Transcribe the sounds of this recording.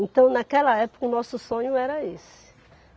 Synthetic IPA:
ẽnt̪ɐ̃w̃nakɛlɐɛpo̥kɐʊnɔsʊsõɲʊɛɾɐes | ɪ̥

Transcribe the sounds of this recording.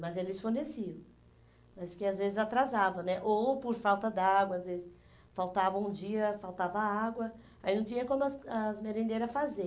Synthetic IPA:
mɐzelɪsfoɾnesiɐ | mɐskɪazvezɪzat̪ɾazavɐ̃nɛʔopoɾfawt̪ɐd̪ɪaɡwɐːzvezɪs | fawt̪avɐ̃ũd͡ʒiɐfawt̪avɐaɡwɐ | ainɐ̃w̃t͡ʃĩɲɐkõmʊɐazmeɾẽnd̪eɾɐfaze

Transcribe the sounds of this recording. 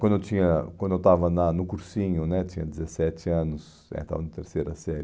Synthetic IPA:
kwɐ̃nd̪ʊewt͡ʃĩɲɐkwɐ̃nd̪ewt̪avɐnɐnʊkuɾsĩɲʊnɛt͡ʃĩɲɐd͡ʒɪzesɛt͡ʃɪɐ̃nʊs | ɛ̰t̪a̰vɐnɐt̪eɾsejɾɐsɛɾ

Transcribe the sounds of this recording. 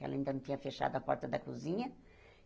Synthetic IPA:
ɛ̰lɐĩnd̪ɐñt̪ĩɲɐfeʃa̰d̪ɐpɔ̰ɾt̪ɐd̪ɐkuzĩɲɐ

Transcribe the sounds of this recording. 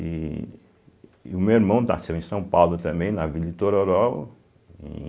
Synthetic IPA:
i | ʊmewiɾmɐ̃w̃t̪a̰sẽwẽsɐ̃w̃pawlʊt̪ɐ̃mbẽj̃nɐvilɐɪt̪oɾoɾɔw | ḛ̃

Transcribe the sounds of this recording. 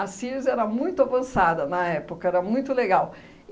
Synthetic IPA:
ɐsizɛɾɐmũj̃t̪ʊavɐ̃sad̪ɐnɐɛpokɐɛɾɐmũj̃t̪ʊleɡaw

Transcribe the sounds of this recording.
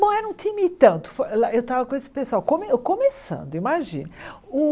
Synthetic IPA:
nɐ̃w̃ɛɾũt̪ʰĩmit̪ɐ̃nt̪ʊ̥folaewt̪avɐkõesɪ̥pesʊawkõmekomesɐ̰̃nd̪ʊimaʒḭ̃nʊ | ʊ

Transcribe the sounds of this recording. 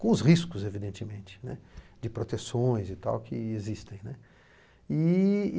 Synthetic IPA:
kõʊshiskʊzevid̪ẽnt͡ʃɪmẽnt͡ʃɪ̥nɛ̰d͡ʒɪpɾot̪esõj̃zit̪a̰wkʰɪezist̪ẽj̃nɛ | i

